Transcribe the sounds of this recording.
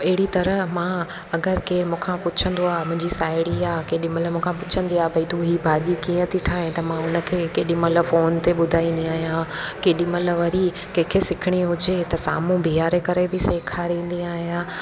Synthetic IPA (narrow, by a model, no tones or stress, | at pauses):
ɐɦɪɽit̪ɐɾəɦmãː | ɐɡəɾkeːɾmũːkʰãpʊt͡ɕʰə̃nd̪oaːɦmʊ̃ɦɪ̃ɲd͡ʑisaːɪɽiaːkeːɗɪ̃məlmũːkʰãpʊt͡ɕʰə̃nd̪iaːɦbɐit̪uɦiːbʱaːʄikiːə̃t̪ʰiʈʰaːɦẽt̪ɐmãʊnə̆kʰeːkeːɗĩməl̆foːnt̪eɓʊd̪ʱaːĩːnd̪iaːɦijãkeːɗĩməl̆ʋɐɾi | kẽːkʰesɪkʰɪɽ̃iɦʊd͡ʑet̪ɐsa̰ːmũbʱiaːɾekɐɾebɪseːkʰaɾĩːn̆d̪iaːɦijãː